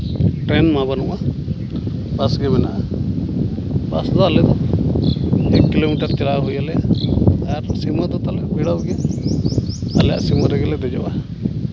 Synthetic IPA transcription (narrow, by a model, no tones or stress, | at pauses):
ʈɾɛnmabanuʔa | basɡɛmɛna̰ʔa | basd̪ɔːlɛd̪ɔ | ɛkːilomiʈaɾt͡ʃalaɦujalɛja | ɾsiməd̪ɔt̪alɛbiɽawɡɛ | alɛja̰ʔsiməɾɛɡɛlɛd̪ɛd͡ʒɔwʔa